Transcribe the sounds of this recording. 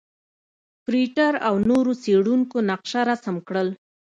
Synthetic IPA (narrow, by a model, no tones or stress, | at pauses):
pɾiʈaɾawnoɾoseɽuŋkonaqʃaɾasamkɽəl